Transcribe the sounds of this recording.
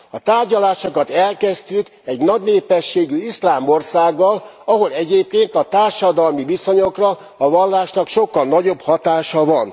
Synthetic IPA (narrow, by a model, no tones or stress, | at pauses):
ɒt̪aːrɟɒlaːʃokɒt̪ɛlkɛst̪ykɛɟnɒɟneːpɛʃːeːɡyislaːmo̞rsaːɡːɒlɒɦo̞lɛɟeːp̚keːnt̪ɒt̪aːrʃɒd̪ɒlmiviso̞ɲokrɒː | vɒlːaːʃnɒkʃo̞kːɒlnɒɟo̞bhɒt̪aːʃɒvɒn